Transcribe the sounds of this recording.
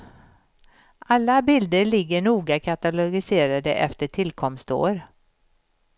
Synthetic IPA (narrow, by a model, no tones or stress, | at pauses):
ʔalːabɪld̪əɾɭɪɡːəɳuːɡakʰat̪alʊɡɪseːɾad̪əʔɛ̰ft̪əʈʰɪlkʰɔmst̪o̰ːɾ